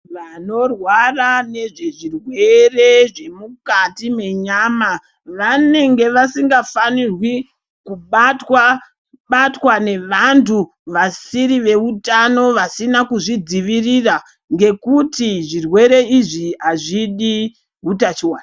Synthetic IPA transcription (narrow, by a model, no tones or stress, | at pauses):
ʋano̞rwarane̞ʐe̞ʐirwe̞re̞ʐe̞mukatime̞ɲaːma | ʋane̞ŋɡe̞ʋasiŋɡafanirwi | kuatwa | ɓatwane̞ʋantʰu | ʋasiɾiʋe̞utano̞ʋasinakuʐid͡ziʋirira | ŋɡe̞kutiʐirwe̞ɾe̞iʐiɦaʐiɗi | ɦutat͡ʃiwaːna